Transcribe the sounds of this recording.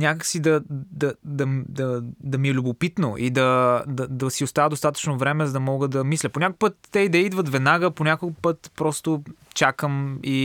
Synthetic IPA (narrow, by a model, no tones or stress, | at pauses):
nʲakəksid̪ɐd̪ɐd̪ɐmd̪ɐd̪ɐmiɛlʲʊbopit̪no̰ʔid̪ɐd̪ɐd̪ɐsiʊst̪avəd̪ost̪at̪ə̥t͡ʃnovɾɛmɛzɐd̪ɐmɔɡəd̪ɐmislʲət̪ponʲakʊkpət̪ːɛid̪ɐid̪vət̪vɛd̪naɡəponʲakopɤt̪pɾɔst̪ot͡ʃakəmi